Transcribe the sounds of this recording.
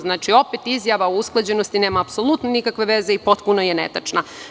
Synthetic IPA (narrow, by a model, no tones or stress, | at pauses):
znaːt͡ʃio̞pet̪izjaʋaousklˠad͡ʑe̞nost̪ineːmaːpso̞lut̪nenikakʋe̞ʋe̞zeipo̞t̪punojenet̪at͡ʂna